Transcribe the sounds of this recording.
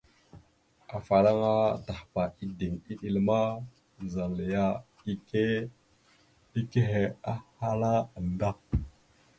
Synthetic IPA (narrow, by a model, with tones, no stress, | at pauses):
a˨fa˨ɾa˦ŋa˦da˨hpa˨i˦di˨ŋi˦ɗi˨lma˦˨ | za˨lə˨ja˦ | i˦ke˦ | i˦ke˦ɦe˨a˦ha˦la˦ə˨n˨da˦